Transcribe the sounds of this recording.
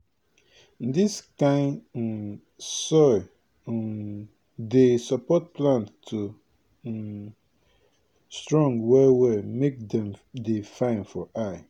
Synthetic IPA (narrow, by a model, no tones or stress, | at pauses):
diskãɪ̃n | sɔ | desapɔt̚pʰlãnttʰu | stɹɔ̃ŋɡwɛwɛmek̚dɛ̃mdefãɪ̃nfɔʔaɪ